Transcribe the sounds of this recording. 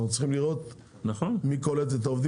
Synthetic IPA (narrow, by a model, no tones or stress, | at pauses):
utt͡sslχimliʁo̞t̪ | naχonmikoletet̪aovd̪i